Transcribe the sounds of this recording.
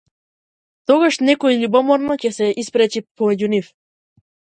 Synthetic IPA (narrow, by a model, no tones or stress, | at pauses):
t̪ɔɡaʃnɛkɔɛʎubɔmɔɾnɔcɛsɛʔispɾɛt͡ʃipɔmɛɟunif